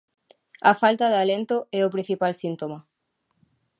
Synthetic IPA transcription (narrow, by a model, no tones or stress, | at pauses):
ɐfalt̪ɐðalent̪ʊɛʊpɾĩn̟θipalsint̪omɐ